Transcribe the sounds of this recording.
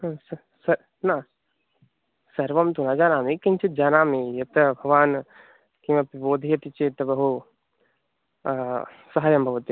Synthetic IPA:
sɐ | sɐ | naː | sɐɾʋɐmt̪unad͡ʒaːnaːmikint͡ʃʰit̪̚d͡ʒaːnaːmijɐt̪ɐbʱɐʋaːn | kimɐpiboːd̪ʱijɐt̪it͡ʃeːt̪ɐbɐɦu | sɐɦaːjɐmbʱɐʋɐt̪i

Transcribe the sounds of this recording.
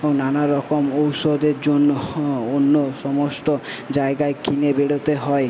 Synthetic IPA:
onanaɾɔkɔmowsod̪eɾd͡ʒonːoonːosɔmɔsʈɔd͡ʒaeɡaekinebeɽot̪eɦɔe

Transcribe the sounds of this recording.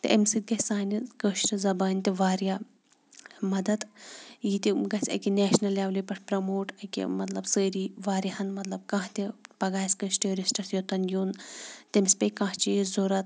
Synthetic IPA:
t̪ɨʔɐmsit̪̚ɡɐsaːnʲɐkəːʃʈɐzɐbaːnʲt̪ʲiʋaːɾijaː | mɐd̪ɐt̪jiːt̪iɡɐsʲɐ̰kinɛːʃnɐlaːʋlipɐʈʰpɾɐmoːʈɐkʲḭmɐt̪lɐbsəːɾiːʋaːɾʲɐhɐnmɐt̪lɐb̚kãːɦt̪ipɐɡaːsʲkəʃʈeːɾʲisʈɐsjot̪ɐnjoːnt̪ɐmisʲpɐjkãːht͡ʃijzoɾɐt̪̚

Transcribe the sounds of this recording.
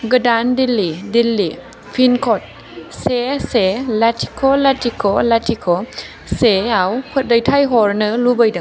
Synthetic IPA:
ɡədandilːidilːi | fʰinkʰot̪̚ | seselat̪ʰi̥kʰolat̪ʰikʰolat̪ʰikʰo | seawpʰɯt̪̚dəjt̪ʰajɦɔɾnəːlubəjdɯ

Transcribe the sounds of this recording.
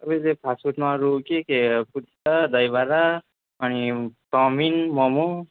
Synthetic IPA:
ʌbʌlepʰasuʈmaɾokekeput̪ʰtʌd̪ʌjbaɾa | ʌnitʌminmʌmo

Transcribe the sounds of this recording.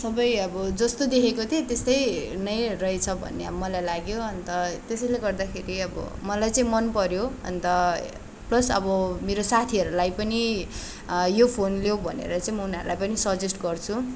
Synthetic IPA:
sʌbʌjʌbʌd͡zʌst̪od̪ekʰekot̪ẽt̪est̪ʌjnʌjrʌjt͡sʰʌbʱʌ̰nːeʌmʌlajlaɡjoʌnt̪ʌt̪esʌjleɡʌrd̪akʰeɾiʌbʌ̰mʌlajt͡saĩmʌnpʌɾjoʌ̰nt̪ʌ | plʌsʌ̰bʌmeɾosat̪ʰiʌɾulajpʌni | jopʰonljobʱʌ̰nḛɾʌt͡saĩmʌunɦa̰ɾulajpʌnisʌd͡zesʈɡʌrt͡sʰu

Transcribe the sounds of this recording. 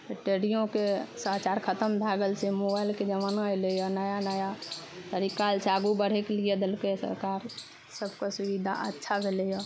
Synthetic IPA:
eʈeɾijõkesəɦt͡ʃaɾkʰət̪əmd̪ʱaɡəlsemobailked͡ʒəmanjlejɔnəjanəja | t̪əɾikalsʰaɡubəɽ̤ekelijed̪elkesə̰ɾkaɾ | səbʱkesuʋid̪ʱa̰ʔətːʃʰabʱelejɔ

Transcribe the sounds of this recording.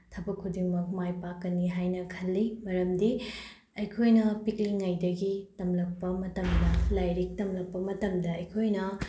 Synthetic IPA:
tʰɐbɐkʰːudiŋmɐk̚majpakːɐniɦajnɐkʰɐlːimɐɾɐmdi | ɐjkʰojnɐpikliŋːɐjdɐɡitɐmlɐk̚pɐmɐtɐmdɐlajɾik̚tɐmlɐk̚pɐmɐtɐmdɐɐjkʰojnɐ

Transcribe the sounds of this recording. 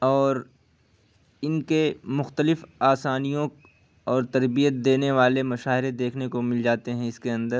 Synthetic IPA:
ɔːɾ | ɪnkemʊxt̪əlɪfaːsaːnijõ | ɔːɾt̪ɐɾbijət̪̚d̪eːneʋaːlemɐʃaːɪɾed̪eːkʰnekomɪld͡ʒaːt̪eɦɛ̃ɪskeɐ̃nd̪əɾ

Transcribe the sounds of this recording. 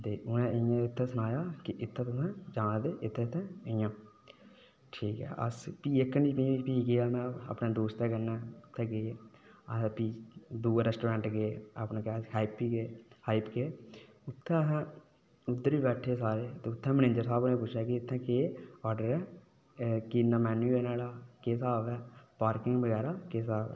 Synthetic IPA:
t̪eːʔʊnẽːɪãːɪt̪ʰːɛ̃ːsənaːjaːkɪʔɪt̪ʰːɛ̃ːt̪ʊsɛ̃ːd͡ʒaːnːd̪eːʔɪt̪ʰːɛ̃ːt̪ʰːɛ̃ːɪãː | ʈʰiːkɛ̰ːʔə̰spiːɪkːniːpiipiːɡeːaːmɛ̃ːa̰ːpnẽːd̪oːst̪ɛːkənɛːʊt̪ʰːɛ̃ːɡe | əpiːd̪uːɾɛːsʈoːɾɛ̃ːɳʈɡea̰pnãːkːhaːɪpːiːɡeːhaːɪpkeː | ʊt̪ʰːɛ̃ːɦ | ʊd̪ːəɾʋiːbɛːʈʰːeːsaːɾeːt̪eːʊt̪ʰːɛ̃ːməneːd͡ʒəɾsaːbnẽːp̬ʊt͡ʃʃʰjaːkiɪt̪ʰːɛ̃ːkeːɔːɾɖəɾɛː | kiːnːaːmɛːnueːnaːɽaːkeːsaːbɛːpaːɾkɪŋɡbəɡɛːɾaːkeːsaːʋɛ̰ː

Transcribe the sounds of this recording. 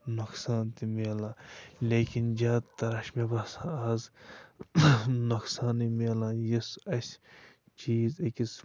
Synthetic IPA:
nuksaːnt̪imeːlãːlʲeːkind͡ʒaːt̪ɐɾɐʃmebɐsaaːz | nuksaːnimeːlãjisɐsʲ | t͡ʃiːzekis

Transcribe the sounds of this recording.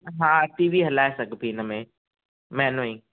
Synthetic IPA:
ɦãːʈiːʋiɦɐlaːesɐɡpiːnəmẽ | mɛ̃ːnõĩː

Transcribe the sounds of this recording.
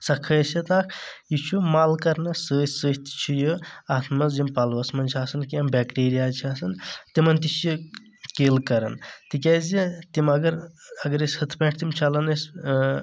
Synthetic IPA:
sɐkʰɐsʲit̪aːkʰjit͡ʃʰumaːlkɐɾnɐsəːsəːɦʲt̪t͡ʃʰijɨaːt̪ʰmɐsd͡ʒimpɐlʋɐsmɐnt͡ʃʰiaːsɐnkiɐmbɛkʈeːɾijaːt͡ʃʰiaːsɐnt̪imɐnt̪it͡ʃʰji | keːlkɐɾɐ̰nt̪ikʲaːzit̪imɐɡɐɾɐɡɐɾesʲhɐt̪ʰpʲẽʈʰt̪imt͡ʃʰɐlɐnɐsʲ

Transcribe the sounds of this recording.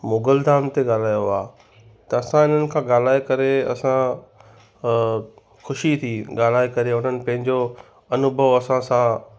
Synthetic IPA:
moːɡəld̪ʱaːmt̪eɠaːl̤aːjoaː | t̪ɐɐsãɪn̤ənɪ̆kʰãːɠaːl̤aːekɐɾeɐsã | xʊʃit̪ʰiɡaːl̤aːekɐɾeʊn̤ənɪ̆pɐ̃ɦɪ̃ɲd͡ʑo | ɐnʊbʱəʋɐsãsã

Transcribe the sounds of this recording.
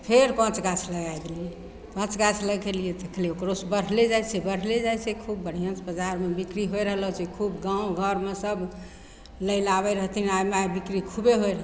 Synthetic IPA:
pʰeɾpə̃t͡ʃɡat͡ʃʰləɡajd̪elije | pə̃t͡ʃɡat͡ʃʰləɡelijɛd̪ekʰleokɾosbəɽ̤led͡ʒajsebəɽ̤led͡ʒajsekʰubːəɽ̤ijə̃sbəd͡ʒaɾmebikɾiɦoeɾəɦləɦt͡ʃɛkʰubɡãũɡʱəɾmesəb | ləɪlaβɛɾəɦt̪ʰiniajmeabikɾikʰubeɦojɾəɦ

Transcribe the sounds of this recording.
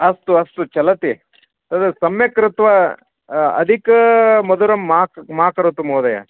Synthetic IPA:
ɐst̪uɐst̪ut͡ʃɐlɐt̪i | t̪ɐd̪ɐsɐmjɐkɾɪt̪ʋɐ | ɐ̰d̪ʱikɐmɐd̪uɾɐmːaːmaːkɐɾɐt̪umoːd̪ɐjɐ̰

